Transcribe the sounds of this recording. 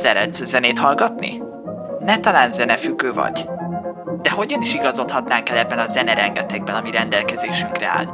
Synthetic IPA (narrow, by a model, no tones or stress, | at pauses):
sɛɾɛd̪szɛneːt̪hɒlɡɒt̪nḭ | nɛt̪ɒlaːnzɛnɛfyɡːøːvɒ̰ɟ̥ | d̪̥ɛɦo̞ɟɒniʃiɡɒzo̞t̪hɒt̪naːŋkɛlɛbːɛnɒzɛnɛɾɛŋɡɛt̪ɛɡ̚bɛnɒmiɾɛnd̪ɛlkɛzeːʃyŋkrɛa̰ːl